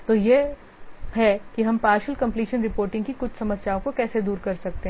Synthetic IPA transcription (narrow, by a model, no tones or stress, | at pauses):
t̪oːje | ɦɛkiɦɐmpaːɾʃəlkɐ̃mpliːʃənɾɪpoːɾʈɪ̃ŋɡkikʊt͡ʃʰsɐməsjaːõkokɛːsed̪uːɾkɐɾsɐk̚t̪eɦ